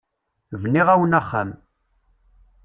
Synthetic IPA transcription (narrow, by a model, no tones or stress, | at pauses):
vniʁawənaχːa̰m